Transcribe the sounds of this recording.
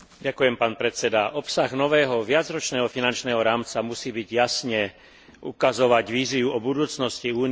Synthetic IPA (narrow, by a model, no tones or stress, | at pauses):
ɟakujɛmpaːnpɾɛt͡sɛd̪aʔɔpsaɣnɔʋɛːɦɔʋɪad͡zɾɔt͡ʃnɛːɦɔfinant͡ʃnɛːɦɔɾaːmt͡samusiːbiɟjasɲɛ | ʔṵkazɔʋaɟʋiːzɪuɔbud̪uːt͡snɔsciuːn